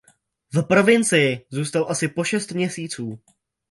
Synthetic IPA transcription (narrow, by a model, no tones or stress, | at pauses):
vpɾo̞vɪnt͡sɪjɪzuːst̪alʔasɪpo̞ʃɛst̪mɲɛsiːt͡suː